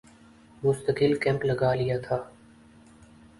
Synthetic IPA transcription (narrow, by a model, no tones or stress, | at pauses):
mʊst̪əkɪlkɛ̃ːmpləɡaːlɪjaːt̪ʰaː